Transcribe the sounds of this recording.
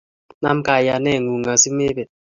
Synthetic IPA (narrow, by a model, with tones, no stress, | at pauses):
na˦m̩˦ka˨ja˨nɛ˦˨ŋu˨ŋa˨si˦me˦bɛ˨